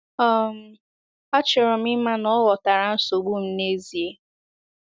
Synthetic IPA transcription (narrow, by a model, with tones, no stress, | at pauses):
ɔ˦˨m̩˨ | a˦t͡ʃɪ˨ɾɔ˨mɪ˦ma˦nɔ˦ɣɔ˨ta˨ɾa˨n̩˦so˨ɡ͡bu˦m̩˦ne˦zi˨e˦